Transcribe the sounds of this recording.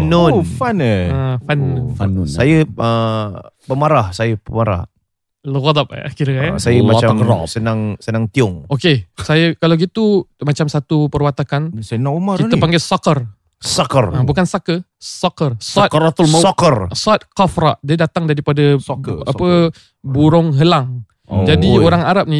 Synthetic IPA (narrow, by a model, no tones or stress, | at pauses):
nonfanəfanfansajəə | pəmaɾahsajəpəmaɾa̰h | ləɣɔd̪ap̚a̰kiɾəkaasajəmat͡ʃamasənaŋsənaŋt̪iʊŋokesajəkalawɡit̪umat͡ʃamsat̪upəɾwat̪akansajənaomaɾkit̪əpaŋɡɛsakər | sakərabukansakəsakərst̪t̪lɔkərsat̪̚kafɾa̰ʔdiədat̪aŋdaɾipadaapə | buɾʊŋɦəlaŋ | d͡ʒadioɾaŋaɾap̚ni